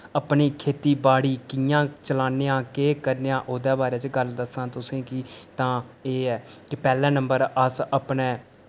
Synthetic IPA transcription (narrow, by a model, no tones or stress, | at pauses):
əpɳiːkʰeːt̪iːbaːɽiːkɪjãːt͡ʃəlaːneːjãːkeːkəɾnejãːʔoːd̪ɛːbaːɾeːt͡ʃəɡəld̪əsãːt̪ʊsẽːkɪt̪ãːeːɛːkɪpɛːlɛ̃ːnəmbəɾəsəpneː